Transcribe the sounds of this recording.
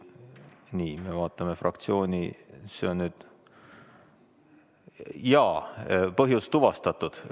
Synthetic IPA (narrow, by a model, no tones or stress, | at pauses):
niːme̞vɑːt̪ˑːɑme̞frʔɑ̰kt̪sio̞ːnʲḭse̞o̞nːyːd̪̥ | jɑːpɤɦjust̪ːuvɑst̪ɑt̪ːˑud̪̥